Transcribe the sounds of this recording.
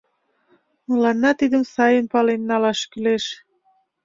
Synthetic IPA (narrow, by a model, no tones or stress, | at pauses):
mulɑnːɑt̪id̪əmsɑjənpɑlenːɑlɑʃkyleʃ